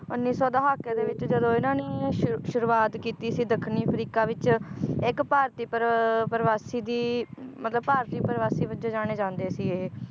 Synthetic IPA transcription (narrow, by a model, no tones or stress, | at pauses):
ʊnːiːsɔːd̪aɦaːkːeːd̪eːʋɪt͡ʃd͡ʒəd̪õːɪnaːniːʃʊɾuːaːt̪kiːt̪iːsiːd̪əkʰːniːpʰəɾiːkaːʋɪt͡ʃɪkpaːɾt̪iːpɾpəɾəʋaːsiːd̪iːmət̪ləbpaːɾt̪iːpəɾʋaːsiːbəd͡ʒeːd͡ʒaːɽ̃eːd͡ʒãːnd̪eːsiːeː